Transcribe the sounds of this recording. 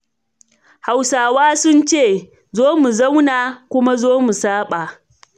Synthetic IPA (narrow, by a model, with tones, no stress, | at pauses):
ha˨wsaː˨waː˦sʊ˦nt͡ʃeː˦˨ | zoː˦mu˨za˦wna˨kʷʊ˦ma˦zoː˦mu˨saː˦ɓa˨